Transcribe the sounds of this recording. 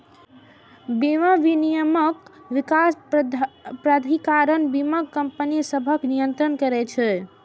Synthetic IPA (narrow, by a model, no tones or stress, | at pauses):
biməʋinijəməkʋikas | pɾad̪ʱikaɾənbiməkəmpənisəbʱəknijənt̪ɾənkəɾɛt͡ʃʰɛ